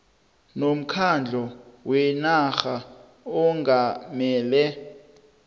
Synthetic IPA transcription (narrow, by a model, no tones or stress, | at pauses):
nom̩kʰand͡ɮʱɔwɛnaxa | ɔŋamɛːlɛ